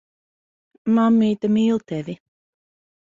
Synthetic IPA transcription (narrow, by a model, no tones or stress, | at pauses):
mamːid̪əmiːlˠt̪ʰɛvi